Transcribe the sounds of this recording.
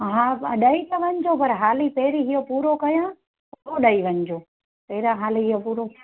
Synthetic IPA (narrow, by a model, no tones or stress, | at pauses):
ɦãːɐɗait̪ɐʋɐɲd͡ʑopɐɾɦaːlipeːɾiɦijopuːɾokɐjã | oɗaiʋɐ̃ɲd͡ʑoː | pɛːɾãɦaːliɦijopuːɾo